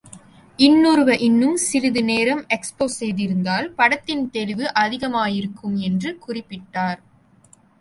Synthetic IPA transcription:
ʔɪnːuɾɯʋɐʔɪnːɯmsɪɾɪðɯneːɾɐmɛkspoːsɛjðɪɾɯnd̪aːlpɐɽɐt̪ːɪnt̪ɛlɪʋɯʔɐðɪɣɐmaːjɪɾɯkːɯmɛndrɯkʊrɪpːɪʈːaːɾ

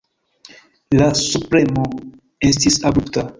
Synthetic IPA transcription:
lasupɾe̞mo̞ | e̞stisabɾupta

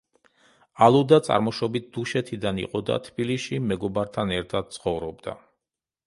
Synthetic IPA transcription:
alˠud̪at̪sʼa̰ɾmɔʃɔbit̪̚d̪̥uʃɛt̪ʰid̪anḭqʼɔd̪a̰t̪ʰb̥iliʃimɛɡɔbaɾt̪ʰanɛɾt̪ʰad̪̥̚t̪sʰχɔvɾɔb̚d̪a̰

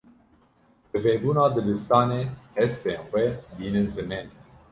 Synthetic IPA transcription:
bɨveːbuːnɑːd̪ɨlɨst̪ɑːneːhɛst̪eːnxʷɛbiːnɨzɨmɛːn

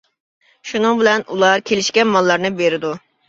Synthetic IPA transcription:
ʃunɨŋbɪlɛnulˠɑɾkʲʰelɪʃkʲɛnmɑlˠːɑɾnɨbeɾɪd̪u

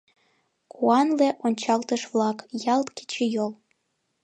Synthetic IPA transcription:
kuɑnleʔonʲt͡ɕɑlt̪əʃvlɑkjɑlt̪ke̥t͡ɕejol

